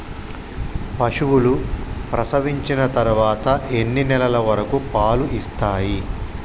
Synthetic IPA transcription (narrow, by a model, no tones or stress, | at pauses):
pɐʂuwulupɾɐsɐʋiɲt͡ʃinɐt̪ɐɾuʋaːt̪ɐʔenːinɛlɐlɐʋɐɾɐkupaːluʔist̪aːji